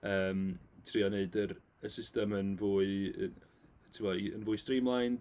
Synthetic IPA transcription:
əːmtʰriːɔneɨdəɾ | əsɪstəmənvuːɨə̰ | tʰɪwɔiə̰nvʊːɨstriːmlˠajn

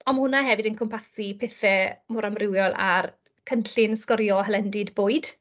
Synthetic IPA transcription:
ɔnmhʊnaɦɛvɨdənkʰɔmpʰasipʰeθɛmʊɾamrɪwjɔlˠa̰r | kʰənɬɪnskɔɾjɔɦəlɛndɪdboːɨd̥

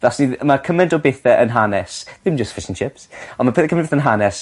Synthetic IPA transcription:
ðasnimakʰəmɛndɔbeθɛʔənɦanɛsðɪmd͡ʒəsfɪʃənʃɪpsɔnmapʰːkʰəmɛndbeθənɦanɛs

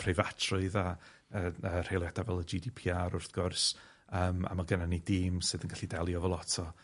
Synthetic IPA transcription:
pʰrevatʰrʊɨða | əər̥ejlˠjadavɛlˠəd͡ʒidipʰiːaɾʊrθɡ̥ʊrs | əːma̰maɡənanidɪːmsɨðənɡaɬidɛlˠjɔvɛlˠɔtʰɔ

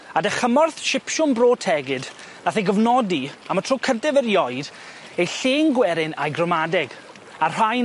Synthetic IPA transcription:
adɛχəmɔrθʃɪpʃʊnbroːtʰɛɡɨd | naθejɡəvnɔdiamatʰowkʰəntɛvəɾjɔɨd | ejɬeːŋɡwɛɾɪnajɡrɔmadɛɡ | ar̥ajn

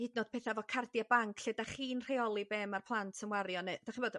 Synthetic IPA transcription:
idnod̥̚pʰɛːθavɔkʰardjabaŋkʰɬɛdaχiːnr̥eɔlˠibeːmarpʰlˠantʰəmwarjɔnɨd̥aχinboːd

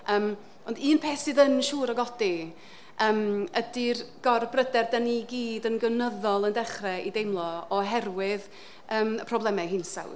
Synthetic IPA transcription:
əːm | ɔndiːnpʰeːsɨːðənʃuːɾɔɡɔdi | əːmədirɡ̥ɔrbrədɛrdɛniɡiːdənɡənəðɔlˠəndɛχrɛidejmlˠɔɔɦɛrwɪð | əːməpʰrɔblˠɛmɛɦɪnsa̰w

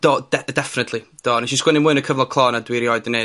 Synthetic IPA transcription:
d̥ɔːd̥ɛdɛfɪnətʰlid̥ɔːniʃiskwɛnɪmɨɨnəkʰəvlˠɔkʰlˠɔːnadwɪɾjɔɨdne

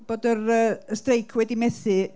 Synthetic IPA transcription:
b̥oːdərəːəstrejkʰwɛdimɛθɨ

